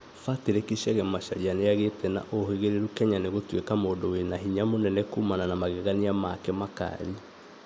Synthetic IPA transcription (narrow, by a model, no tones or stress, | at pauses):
fateɾekiɕɛɣɛmaɕaɾianeaɣetɛna̰ʔoheɣeɾeɾukɛɲaneɣotwekamoːndowenaɦiɲamonɛnɛkuːmananamaɣɛɣaniamakɛmaka̰ɾi